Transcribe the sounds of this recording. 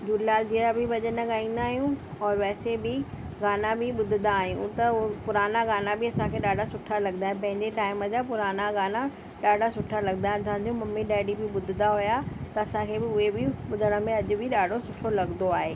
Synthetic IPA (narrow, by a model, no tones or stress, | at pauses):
d͡ʑuːlilaːld͡ʑiːɾabɪbɐʄənɐɡaːĩːn̆d̪aːɦijũɔːɾʋɛːsebɪ | ɡaːnabɪɓʊd̪ʱɪnaːɦijũt̪ɐpʊɾaːnaɡaːnabɪɐsãkʰeɗaːɖʱasʊʈʰalɐɡnd̪aːɦẽpɐ̃ɦɪ̃ɲd͡ʑeʈaːɪməd͡ʑapʊɾaːnaɡaːna | ɗaːɖʱasʊʈʰalɐɡnaːɦt̪ʰaːnd̪ijũmɐmːiɗɛːɖibɪɓʊd̪ʱɪd̪aɦʊjat̪ɐɐsãkʰeːbɪʊɦebɪɓʊd̪ʱəɽ̃ə̆mẽɐʄʊ̆bʱɪɗaːɖ̤ʱosʊʈʰolɐɡnd̪oaːɦeː